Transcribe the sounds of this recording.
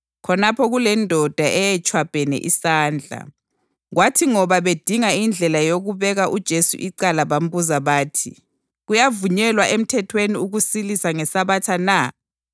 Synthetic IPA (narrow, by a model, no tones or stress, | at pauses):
kʰɔnapʰɔɣulɛndʱɔd̥ʱaʔɛjɛt͡ʃʰʼwab̥ʱɛnɛ̰ʔisaːnd͡ɮʱa̰ | ɣwatʰiŋɔβaβed̥ʱiŋaind͡ɮʱɛlajoɣuβɛɣaʔud̥ʒ̥ʱesṵʔiǀalaβam̩buzaβaːtʰḭ | ɣujavuɲɛlwaʔem̩tʰɛtʰweniuɣusilisaŋɛsaβatʰana